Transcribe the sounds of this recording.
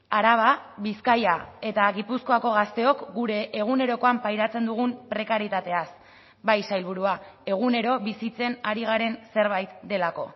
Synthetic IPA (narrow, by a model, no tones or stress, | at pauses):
aɾaβ̞aβiskajae̞t̪aɣipusko̞ako̞ɣast̪e̞o̞kɡuɾe̞ʔːɣ̞une̞ɾo̞ko̞ampajɾat͡se̞nd̪uɣ̞umpɾe̞kaɾjit̪at̪e̞as | bajsajlβuɾuae̞ɣ̞une̞ɾo̞βisit͡se̞naɾiɣ̞aɾe̞nse̞ɾβajt̪d̪e̞lako̞̰